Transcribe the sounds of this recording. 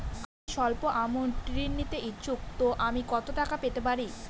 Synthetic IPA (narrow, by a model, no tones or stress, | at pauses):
amiʃɔlpoʔamonʈɾinːit̪eit͡ɕuk̚t̪oʔamikɔt̪oʈakapet̪epaɾi